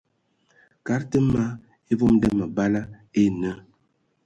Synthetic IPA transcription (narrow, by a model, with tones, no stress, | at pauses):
ka˨˦ɾtə˦ma˦ | e˦vo˦mdə˦mə˨ba˦la˦ | e˦nə˦